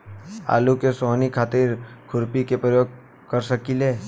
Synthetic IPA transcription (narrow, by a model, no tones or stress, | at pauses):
a̰ːlukesoɦnikʰaːt̪ɪɾkʰʊɾpikepɾəjoːɡ̚ | kɐɾsəkileː